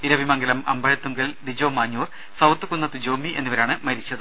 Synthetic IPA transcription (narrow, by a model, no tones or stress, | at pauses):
iɾɐʋimɐŋɡɐlɐmɐ̰mbɐɻɐt̪ːuŋɡɐld̪id͡ʑoːmaːɲːuːr | sɐwt̪ːɨkunːɐt̪ːɨd͡ʑoːmiʔe̞nːiʋɐɾaːɳɨmɐɾit͡ɕːɐðɨ